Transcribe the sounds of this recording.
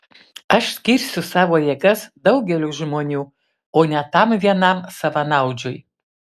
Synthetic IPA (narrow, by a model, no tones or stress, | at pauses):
ɐʃsʲkʲiːɾʲsʲʊsɑːʋoːjeɡɐsd̪ɐʊɡʲɛlʲuːʒmoːnʲuː | oːnʲɛt̪ɐmʋʲiɛnɐmsɐʋɐnɐʊd͡ʒʲʊj